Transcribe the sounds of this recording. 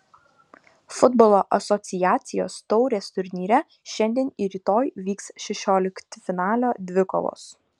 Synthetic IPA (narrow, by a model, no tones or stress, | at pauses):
fʊd̪bɔlˠoːʔɐsɔt̪sʲɪjæːt̪sʲɪjoːst̪ɔʊɾʲeːst̪ʊɾʲnʲiːɾʲɛ | ʃʲɛnʲd̪ʲiɛniɾʲiːt̪oːjʋʲiːksʃʲɛʃʲoːlʲɪkt̪ʲfʲɪnɑːlʲoːd̪ʲʋʲɪko̰ːʋˠo̰ːs